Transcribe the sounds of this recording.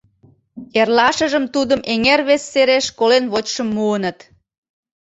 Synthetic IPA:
erlɑʃəʒəmt̪ud̪əmeŋerβesːeɾeʃkolenβot͡ɕʃəmːuənət̪

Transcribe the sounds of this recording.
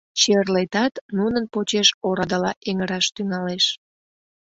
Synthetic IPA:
t͡ɕerlet̪ɑt̪nunənpot͡ɕeʃoɾɑd̪əlɑʔeŋəɾɑʃt̪yŋɑleʃ

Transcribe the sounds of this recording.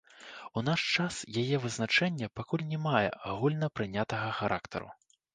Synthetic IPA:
unaʂt͡ʂasjajɛvɨznat͡ʂɛnʲːɐpakulʲnʲɛmajɛ̰aɣulʲnɐpɾɨnʲat̪ɐɣɐxaɾʔakt̪ɐ̰ɾṵ

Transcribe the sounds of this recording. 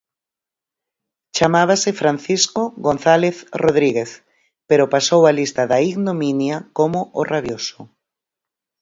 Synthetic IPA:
t͡ʃamaβ̞asefɾan̟θiskoɣon̟θaleθroðɾiɣeθ | peɾopasowalist̪aðaiɣnomĩnjakomoʔoraβjoso

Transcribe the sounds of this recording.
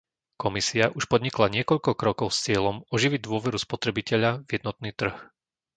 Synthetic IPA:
kɔmisiaʔuʃpɔd̪ɲiklaɲɪɛkɔʎkɔkɾɔkɔʊst͡sɪɛlɔmɔʒiʋid̪ʊɔʋɛɾuspɔt̪ɾɛbicɛʎavɪjɛd̪nɔt̪̚niːt̪r̩x

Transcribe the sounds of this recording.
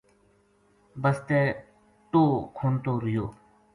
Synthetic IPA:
bəst̪eː | t̪oːkʰoːnt̪oːɾɪjoː

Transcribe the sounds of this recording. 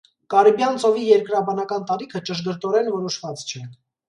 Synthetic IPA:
kɑɾibjɑnt͡sɔvijɛɾkɾɑbɑnɑkɑnt̪ɑɾikʰət͡ʃəʃɡəɾt̪ɔɾɛnvɔɾɔʃvɑt͡st͡ʃʰɛ

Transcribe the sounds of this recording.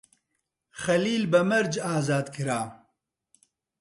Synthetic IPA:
xɐliːlbɐmɐɾd͡ʒaːzaːd̪kʰɨɾaː

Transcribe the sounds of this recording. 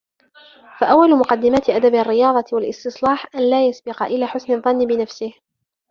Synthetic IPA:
faʔawːalʊmʊqɑd̪ːɪmaːt̪ɪʔad̪abarːɪjɑːðˤɑwalʔɪst̪ɨsˤlɑːħʔanlaːjasbɪqɑʔɪlaːħʊsnɑðˤːɑnːɪbɪnafsɪh

